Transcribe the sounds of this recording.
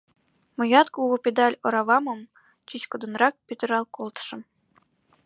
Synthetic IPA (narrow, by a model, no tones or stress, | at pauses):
mɤ̆jɑt̪̚kuwopʲed̪ɑlʲoɾɑβɑmɤ̆m | t͡ɕit͡ɕkɤ̆d̪ɤ̆nrɑk̚pʲyt̪ʲɘ̆ɾɑlˠkolˠt̪ɤ̥̆ʃɤ̆m